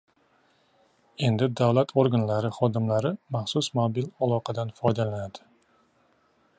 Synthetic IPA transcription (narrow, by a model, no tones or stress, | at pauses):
e̞nd̪ɪd̪avlat̪ʰoɾɡanlaɾɪχɒd̪ɪmlaɾɪmaχsʊsmobilalˠɒqʰɑd̪anfɒjd̪alanad̪̥ɪ